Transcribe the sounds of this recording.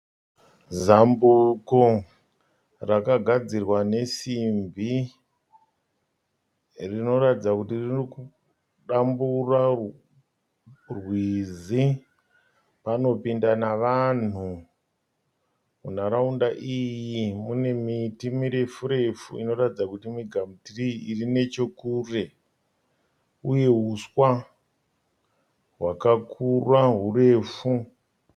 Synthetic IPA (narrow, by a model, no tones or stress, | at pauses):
zambuko | rakaɡʱad͡zirwane̞simbi | rino̞ɾatid͡zakutiririku | ɗambura | rwizi | pano̞pindanaʋan̤u | mun̤aɾaundaʔijimune̞mitimiɾe̞fuɾe̞fṵino̞ratid͡zakutimiɡʱamutiriirine̞t͡ʃo̞kuːre | uje̞ɦuswa | ɦwakakʰurwaɦure̞ːfu